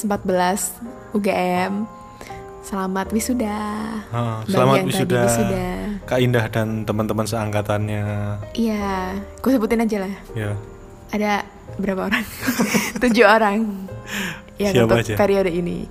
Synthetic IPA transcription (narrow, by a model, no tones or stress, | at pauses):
səmpat̪̚bəlas | uɡaʔɛm | səlamat̪wisudaəʔəbsaəlamataŋwit̪audidasudakaindahdant̪əmant̪əmansəaŋkat̪anɲaijakosəbut̪ɪnad͡ʒalahja | ada | bəɾapaoɾaŋt̪ud͡ʒuoɾaŋ | jaskiaab̪aad͡ʒapeɾiodinḭ